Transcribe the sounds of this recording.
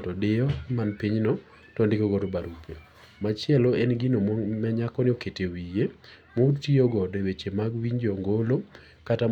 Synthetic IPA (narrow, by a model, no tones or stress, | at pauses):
tɔdɪɔmanpiɲnɔ | tɔndɪkoɡɔɾobaɾupe | mat͡ʃɪɛlɔenɡɪnommɛɲakɔnɪoketewije | motioɡɔdewet͡ʃemaɡwiɲd͡ʒɔŋɡolo | kata